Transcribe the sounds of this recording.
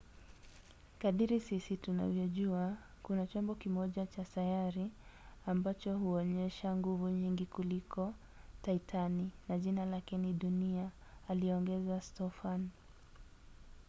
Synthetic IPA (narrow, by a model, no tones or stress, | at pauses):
kaðiɾisisituna̰vjɔʄua | kunat͡ʃɔmbɔkimɔʄat͡ʃasajaɾi | ambat͡ʃɔhuɔɲɛʃaŋɡuvuɲiŋɡikulikʰɔ | taitʰaninaʄinalakɛniɗuniaːliɔŋɡɛzastɔfan